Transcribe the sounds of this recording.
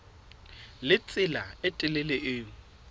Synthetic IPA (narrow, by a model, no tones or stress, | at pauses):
lɪt͡sʼɪlaɪtʼɪlɪlɛʔɪːŋ̩